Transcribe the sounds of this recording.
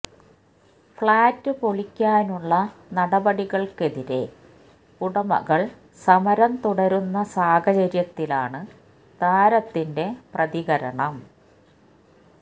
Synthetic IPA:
fɭaːtːɨpoɭikʲːaːnuɭːɐnɐɽɐbɐɽiɣɐɭke̞ðiɾe̞̰ | kuɽɐmɐ̰ɣɐɭ | sɐmɐɾɐmt̪uɽɐɾunːɐsaːhɐt͡ɕɐɾjɐt̪ːilaːɳɨ | t̪aːɾɐt̪ːinde̞prɐðiɣɐɾɐ̰ɳɐm

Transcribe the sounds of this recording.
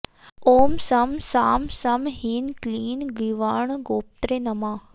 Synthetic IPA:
oːmsɐmsaːmsɐmhiːnkliːnɡiʋaːɳ̃ɡoːp̚t̪ɾenɐmãː

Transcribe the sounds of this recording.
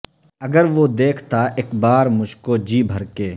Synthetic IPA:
ɐɡəɾʋod̪eːkʰt̪aʔekbaːɾmʊd͡ʒʱkod͡ʒiːbʱɐɾkeː

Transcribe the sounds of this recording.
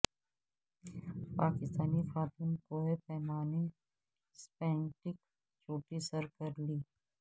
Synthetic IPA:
paːkɪst̪aːnifaːt̪uːnkoːɦepɛːmaːni | spɛ̃ːɳʈɪk | t͡ʃoːʈisəɾkɐɾliː

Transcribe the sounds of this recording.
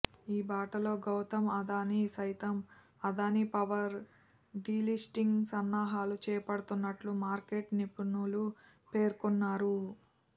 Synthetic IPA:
iːbaːʈɐlo̞ːɡɐwt̪ɐmɐd̪aːnisɐjt̪ɐm | ɐd̪aːnipɐʋɐɾ | ɖiːlisʈiŋɡsɐnːaːɦaːlut͡ʃɛːjɐpɐɽɐt̪unːɐʈlumaːɾke̞ʈnipunulu | pe̞ːɾkunːaːɾu

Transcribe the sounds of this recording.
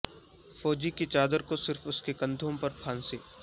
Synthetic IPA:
fɔːd͡ʒikit͡ʃaːd̪əɾkosɪɾfʊskekɐ̃nd̪ʱõpɐɾpʰãːnseː

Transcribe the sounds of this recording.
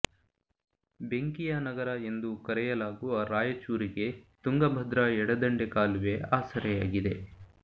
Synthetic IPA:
be̞ŋkijɐnɐɡɐɾɐe̞nd̪ukɐɾɛjɐlaːɡuaːɾaːjɐt͡ʃuːɾiɡe̞t̪uŋɡɐbʱɐd̪ɾɐɛɽɐd̪ɐɳɖekaːluʋeaːsɐɾɛja̰ːɡid̪e̞

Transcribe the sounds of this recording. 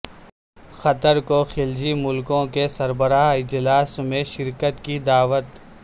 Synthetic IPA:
xɐt̪əɾkoxɪld͡ʒimʊlkõkesɐɾbəɾaːɪd͡ʒlaːsmẽʃɪɾkət̪kid̪aːʋət̪

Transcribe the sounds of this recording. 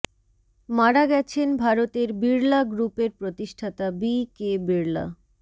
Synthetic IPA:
maɽaɡɛt͡ɕʰenbʱaɾot̪eɾbiɾlaɡɾupeɾpɾot̪iʃʈʰat̪abikebiɾla̰

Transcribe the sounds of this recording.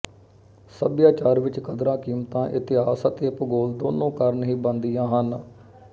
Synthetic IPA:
səbjaːt͡ʃaːɾʋɪt͡ʃkəd̪ɾãːkiːmt̪ãːʔɪt̪ɪɦaːsət̪eːpɡoːld̪oːnõːkəɾnɦiːbənd̪ijãːɦən

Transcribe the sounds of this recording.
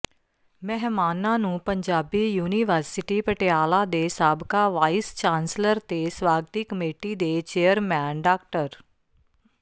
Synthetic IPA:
mɛɦmaːnãːnũːpəɲd͡ʒaːbiːjuːniʋəɾsɪʈiːpəʈeaːlaːd̪eːsaːbkaːʋaːist͡ʃãːnsləɾt̪eːswaːɡət̪ɪkːəmeːʈiːd̪eːt͡ʃeːjəɾmɛ̃ːnɖaːkʈəɾ

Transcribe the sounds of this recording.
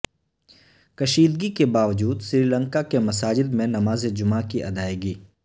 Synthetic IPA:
kɐʃiːd̪ɡikebaːʋd͡ʒuːd̪sɾiːlə̃ŋkakemɐsaːd͡ʒɪd̪mẽnɐmaːzed͡ʒʊmakiʔɐd̪aːeːɡiː

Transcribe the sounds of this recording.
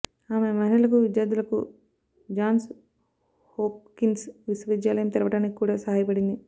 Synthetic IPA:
aːme̞mɐɦiɳɐɭɐkuʋid̪jaːɾd̪ulɐku | d͡ʒaːns | hoːp̚kinsʋiswɐʋid̪jaːlɐjɐmt̪ɐɾɐʋɐʈaːnːikʲikːuːɽaːsɐɦaːjɐpɐɽind̪i

